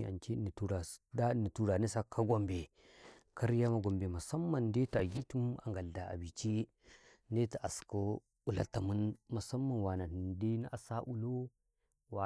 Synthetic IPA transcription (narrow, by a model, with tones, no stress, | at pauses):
a̰˨nt͡ʃi˦ni˨tu˦ɾa˨da˦ni˨tu˦ɾa˨ne˦sa˦kʰːa˦ɡo˨mbe˨ | ka˦ɾja˦ma˨ɡo˨mbe˨ma˨sa˦mːa˦˨nde˦ta˨ɡi˦tu˦ma̰˨ŋɡa˨lda˨a̰˨bi˨t͡ʃi˦ | nde˦ta˨ʔa˨sko˦ | u˦la̰˦ta˨mu˦nma˨sa˦mːa˦˨nwa˨na˨n˨ndi˦n˦ʔa˨sa˦ʔu˦lo˦ | wa˨